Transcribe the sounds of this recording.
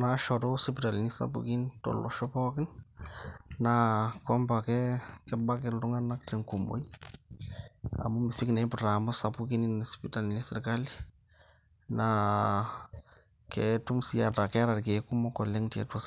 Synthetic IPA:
naʃɔ˨ɾɔsɪpita˨lini˦sa̰bṵki˦ntɔ̰˨lɔ̰˨ʃɔ˦pɔ˦kɪ˦n | na˨kɔ˦mba˨kɛkɛ˦ba˦kɛ˨lʊ˦ŋa˦na˦ktɪ˨ŋku˨mo̰˨˦i˦ | a̰˨mu˦mɪ˨si˦knɛ˨˦pʊta˨mʊ˦sa˨pu˦ki˦ni˦nspita˨lini˦sɪ˨ɾka˦li˦ | na | kɛtu˦msija˨ta˨kɛ˦ɾa˨ɾke˨ku˦mɔ˦kɔ˨le˦ŋtɛ̰˨twɔ˦s

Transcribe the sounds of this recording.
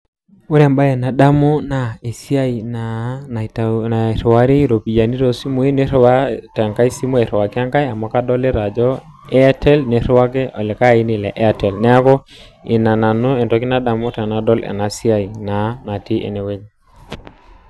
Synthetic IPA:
wo˦ɾa˨mba˦e˨na˨ɗa˦mo˦na˨e˨si˦a˦i˨na˨ | a˨ɾwa˦ɾi˦ɾo˨pi˨ja˨ni˦ɾo˨si˦mo˦e˦ne˦ɾa˦ta˨ŋka˦i˦si˦mo˦e˨ɾwa˨ki˦a˦ŋka˦ja˨mɔ˨˦ka˦dɔ˦le˦ɾa˨d͡ʒɔ˦ | e˦a˦tɛ˦lne˨ɾwa˦kɛ˦ɔ˨lɛ˨ka˦˨i˦ni˨lɛ̰˨ʔe˦a˨tɛ˨lnɛ˦a˦kɔ˦i˨na˨na˨no˦ɛ˨tɔ˨ki˦na˦ɗa˨mo˦ta˨na˨˦dɔ˦lɛ̰˨na˨si˦a˦˨i˨na˨˦na˨ti˦ʔḛ˨ne˨we˦ɲ

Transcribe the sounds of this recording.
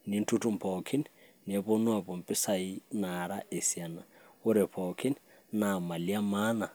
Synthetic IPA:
ni˦n̩˦tʰu˦tu˦mpʰɔ˨kʰi˦n | ne˨βo˦nwa˨bo˨m̩˨pʼɪ˦sa˨i˦na˨ɾa˦ʔe˨sja˨na˨ | ʊ˦ɾɛ˨pʰɔ˨kʰi˦n | na˨ma˨lja˦ma˦na˨

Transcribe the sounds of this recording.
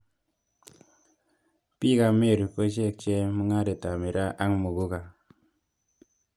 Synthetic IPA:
pi˦ka˧me˦˨ɾu˨pə˦d͡ʒe˦˨k̚t͡ʃe˦mə˦ŋa˦ɾe˨ta˨mi˨ɾa˦ʔa˦ŋmu˨ɡu˦ka˨

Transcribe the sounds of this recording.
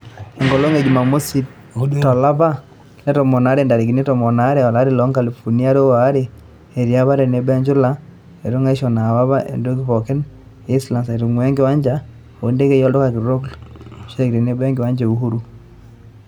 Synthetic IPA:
e˨ŋɡɔ˨lo˦ŋe˨d͡ʒi˨ma˨mo˦si˦t | tɔ˨la˦βa˦ | nɛ˦tɔ˨mɔ˨na˨˦ɾe˨nda˨ɾe˨ki˨ne˦tɔ˨mɔ˨na˦ɾe˦˨ɔ˨la˦ɾe˦˨lɔ˨˦ŋka˨li˨fo˨ni˦a˦ɾo˦wa˨˦ɾe˦ | e˨ɾja˦βa˦ɾe˨ne˨˦ba˦ɲd͡ʒu˦la˦ | e˨ɾo˦ŋa˦ʃɔ˨na˨wa˦βa˦ʔḛ˨ndo˦k̬i˦βɔ˨ke˦n | e˦sla˨sa˨ɾo˨ŋwɛ˦ŋɡɪ˦wa˦ɲd͡ʒa˦ | o˨˦nde˦ke˦jɔ˦ldɔ˦ka˨ki˨ɾo˦klʃe˦kɾe˨ne˦bɛ˦ŋɡɪ˨wa˦ɲd͡ʒe˨u˨ɦu˦ɾu˦

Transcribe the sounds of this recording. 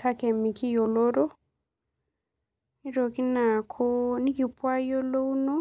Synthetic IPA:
ta˦ke˨mi˨ki˦jo˨lo˦ɾo˦ | i˦ɾo˨ki˦na˨kʰo˦ni˦ki˨pwa˦jo˦lo˦wnɔ˦

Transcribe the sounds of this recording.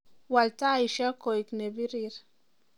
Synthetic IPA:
wa˨lta˦i˨ʃa˦ko˨i˨kne˨bi˦ɾiɾ

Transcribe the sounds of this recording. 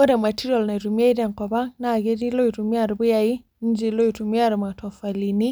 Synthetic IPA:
ɔ˦da˨ma˨ti˦ɾɔ˨lna˨tu˨me˦da˨ŋkɔ˨ba˦na˨ɡe˦di˦lo˦itumi˦a˨ɾbu˦jai˦ | n˦d͡ʒi˨lo˦jtu˨mi˦a˦ɾma˨tʰɔ˨fa˨li˨ni˦

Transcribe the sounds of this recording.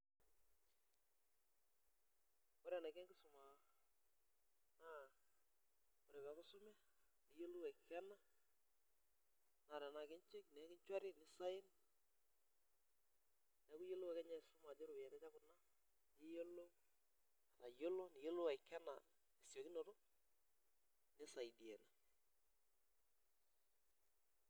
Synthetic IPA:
ɔ˦ɾɛ˨na˨kɛ˦ŋkɪ˦sʊ˨ma˨ | na˦ | ɔ˨ɾɛ˨bɛ˨kʊ˦sʊ˦mɛ˦ | nɪ˨˦jo˦lu˦wa˨kɛ˦na˦ | na˨ɾɛ˨na˨kɪ˦ɲt͡ʃe˦k̚nɛ˨˦kɪ˦ɲt͡ʃwa˦ɾɪ˦nɪ˨˦sa˦ɪ˦n | nɛ˨˦ku˦jo˦lo˦wɛ˨kɛ˦ɲa˦˨sʊ˦ma˨d͡ʒe˦ɾo˨ja˨ɾɛ˦t͡ʃa˦kʊ˨na˦ | nɪ˦jo˦lo˦ | a˨na˨jo˦lo˦ni˨jo˦lo˦wa˨kɛ˦na̰˨ | ni˨sjo˨ki˦no˨to˦ | nɪ˦sa˨i˨di˨e˨na˨

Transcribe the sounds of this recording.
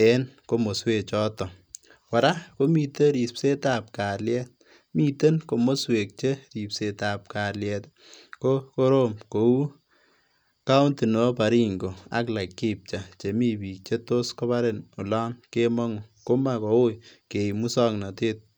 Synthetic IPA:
e˦nko˦mo˨swe˨t͡ʃɔ˦tɔ˨ | wa˨ɾa˦ko˦mi˨te˦ɾi˨spse˦ta˨p̚ka˨ljɛ˦t̚ | miː˨te˦nko˨mo˦swe˨k̚t͡ʃe˦ɾi˨pse˨ta˨p̚ka˨ljɛ˨t | ko˦ko˦ɾo˦mko˨u˦ | ka˦wnti˨no˨˦pa˨ɾi˦ŋɡo˨a̰˦kla˨kːi˦p̚t͡ʃa˨t͡ʃe˨mi˦piː˨k̚t͡ʃe˦to˦sko˦βa˦ɾe˨nu˨lɔː˦nke˦mɔ˦ŋo˨ko˦ma˦kɔ˨˦o˦jke˨mu˦sɔ˦ŋnɔ˨te˦t̚

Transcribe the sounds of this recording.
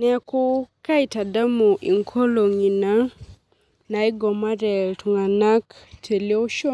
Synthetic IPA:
nɛ˨ko˦ka˦i˨ta˨da˦mu˨ʔḭ˨ŋkʰɔ˦lo˨ŋi˨na˦ | na˨i˦ɡɔ˨ma˦ɾɛ˨ltu˨ŋa˨na˦ktʰe˨le˦o˦ʃɔ˦

